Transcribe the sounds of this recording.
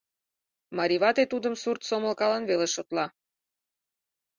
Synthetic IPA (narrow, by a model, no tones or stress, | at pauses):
mɑɾʲiβɑt̪et̪ud̪əmsurt̪soməlkɑlɑnβeleʃot̪lɑ